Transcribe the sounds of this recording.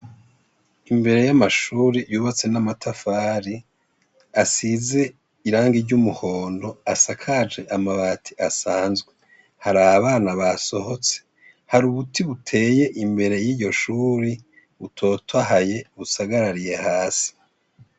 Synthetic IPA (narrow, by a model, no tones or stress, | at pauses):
imbe̞ɾe̞jamaʃuːɾijuːβat͡se̞namatʰafaːɾi | asize̞ | iɾaːŋɡiɾɟumuho̞ːndo̞asakʰad͡ʒe̞ʔamaβatʰi̥ʔasaːnzɡwe | haɾaaβaːnaβaso̞ho̞t͡se̥ | haɾuβutiβutʰe̞ːje̞ʔimbe̞ɾe̞jiːɟo̞ʃuːɾi | βutʰo̞ːtʰaɦaje̞βusaɡaɾaɾije̞haːsi̥